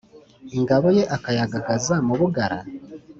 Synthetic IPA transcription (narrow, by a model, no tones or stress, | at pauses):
eŋɡaβo̞je̞ʔakajaɡaɡazamuβuɡaɾa̰